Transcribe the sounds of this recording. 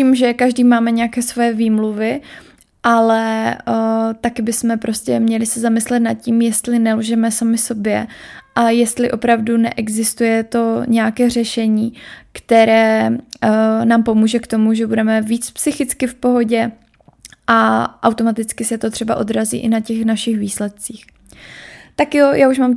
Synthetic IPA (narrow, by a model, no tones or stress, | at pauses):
ciːmʒɛkaʒdiːmaːmɛɲɛjakɛːsvo̞jɛviːmluvɪ | ʔalɛ | t̪akɪbɪsmɛpɾʔo̞scɛmɲɛlɪsɛzamɪslɛt̪nat̪̚cimjɛst̪lɪnɛlʒɛmɛsamɪso̞bjɛʔajɛst̪lɪʔo̞pɾavdunɛ̰ʔɛɡzɪst̪ujɛt̪o̞ɲɛjakɛːr̝ɛʃɛɲiːkt̪ɛɾɛː | naːmpo̞muːʒɛkt̪o̞muʒɛbudɛmɛviːt͡spsɪxɪt͡skɪfpo̞ɦo̞ɟɛ | ʔaʔawt̪o̞mat̪ɪt͡skɪsɛt̪o̞t̪r̥ɛba̰ʔo̞d̪ɾazḭːʔɪnacɛxnaʃɪxviːslɛt̪̚t͡siːx | t̪akjojaːuʃmaːm